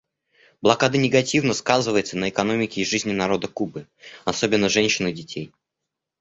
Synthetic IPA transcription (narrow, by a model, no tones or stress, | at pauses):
blˠɐkad̪ɨnʲɪɡɐtʲivnəskazɨvəjɪt̪sənəɪkɐno̞mʲɪkʲɪːʐɨzʲnʲɪnɐɾo̞d̪əkubɨ | ɐso̞bʲɪnːəʐɛnʲɕːɪnɨdʲɪtʲej